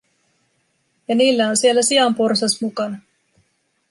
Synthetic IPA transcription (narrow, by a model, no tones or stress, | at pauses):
jɑniːlːæonsie̞lːæsiɑmporsɑsmukɑnɑ